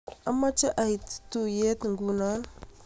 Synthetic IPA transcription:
a˦mːa˦t͡ʃa˦ʔa˨i˨ttu˦je˦tŋɡu˦na˦n

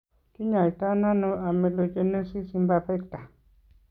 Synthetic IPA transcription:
ki˦ɲa˨ta˦na˦no˦a˨me˨lo˦d͡ʒe˦ne˦si˦si˦mba˧pɛ˦kta˨

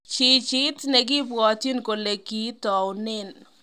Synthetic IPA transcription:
t͡ʃi˨t͡ʃɪ˦t̪ne˨ɡɪ˦bɔ˨t̪i˦nko˨le˨ki˦t̪ɔ˨ʊnɪ˦n

